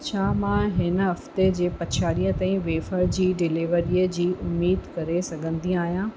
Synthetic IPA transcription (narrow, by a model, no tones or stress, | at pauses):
t͡ɕʰaːmãɦɪnəɦɐft̪ed͡ʑeːpɐt͡ɕʰaːɾiːə̃t̪ãːĩʋeːfəɾd͡ʑiːɖɪliʋəɾiːəd͡ʑiːʔʊmːiːd̪kɐɾesɐɡʱə̃nd̪ĩaːɦijãː